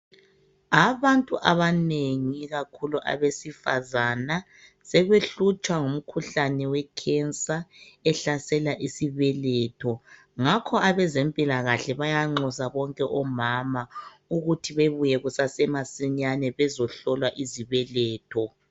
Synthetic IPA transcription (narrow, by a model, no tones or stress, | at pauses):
aβantʼuʔaβaneŋiɣakʰuluʔa̰βesifazana | sɛɣweɬut͡ʃʼwaŋum̩kʰuɬanɛwɛkʰɛnsʼaɛɬasɛlaʔisiβɛlɛtʰɔ | ŋakʰɔaβɛzempʼilaɣaɬɛβajaŋ͡ǃɔsaβɔŋkʼɛʔɔmama | uɣutʰiβeβujɛɣusasɛmasiɲanɛβɛzɔɬɔlwaʔiziβɛlɛːtʰɔ